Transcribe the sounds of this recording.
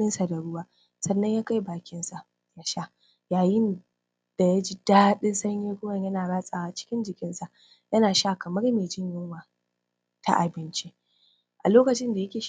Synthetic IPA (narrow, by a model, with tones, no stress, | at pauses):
ɪ˦nsa˨da˨ɽʊ˦waː˦ | sɐ˨nːɐ˦ɲjaː˦ka˦jbaː˨kʲɪ˦nsa˨ʔ | ja˦ʃa˦ | jaː˨jɪ˦n | d̥a˨ja˦d͡ʒiː˦d̥aː˦ɗɪ˦nsɐ˦ɲjeː˦kʷʊ˦wɐ˨ɲjɐ˦naː˨ɽaː˦sʼaː˨waː˨t͡ʃɪ̥˦kʲɪ˦nd͡ʒɪ˨kʲɪ˦nsa˨ʔ | jɐ˦naː˨ʃa˦kɐ˨mɐ˦rmeː˨d͡ʒɪ˦ɲjɪ˦ŋwaː˨ | ta̰˦˨ʔa˨bɪ˦nt͡ʃi˦ | ʔa˨loː˦kɐ˨t͡ʃɪ˦nda˨jɐ˦kʲeː˨ʃ